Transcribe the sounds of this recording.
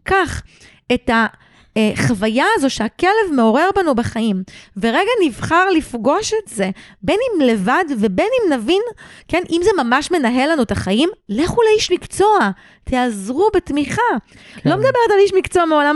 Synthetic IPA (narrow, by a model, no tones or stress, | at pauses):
kaχ | e̞ta | χavajaːzo̞ʃeakele̞vme̞o̞ʁe̞ʁbanubeχaimve̞ʁeɡanivχaʁlifɡo̞ʃetzebenimle̞vadvebe̞nimnavinke̞nʔimze̞mamaʃme̞naɦe̞lanuetaχaimleχuleiʃmikt͡so̞a | tʰeazʁubetmiχalo̞med̪abe̞ʁetaliʃmikt͡so̞ameolam